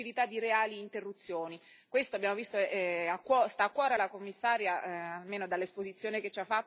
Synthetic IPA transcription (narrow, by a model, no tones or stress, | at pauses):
ilit̪ad̪ːiɾeaːliːnt̪erːut̪sːjoːni | kwest̪oabːjaːmovist̪oɛɛakːwɔst̪aːkːwɔːɾealakomːisːaːɾjaalmeːnod̪alːespozit̪sːjoːneket͡ʃːafːat̪ː